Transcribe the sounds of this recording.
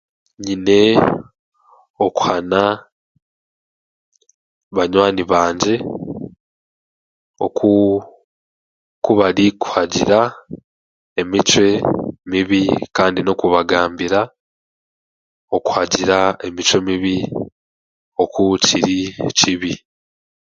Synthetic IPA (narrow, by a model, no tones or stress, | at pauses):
ɲine̞ | o̞ku̥hana | βaɲwaːniβaːɲɟe̞ | o̞̰ku | kuβaɾiku̥haɟḭɾa | e̞mit͡ʃwe̞miβikaːndino̞kuβaɡaːmbiɾa | o̞ku̥haɟiɾae̞mit͡ʃwe̞miβi | o̞kucʰiɾiciβi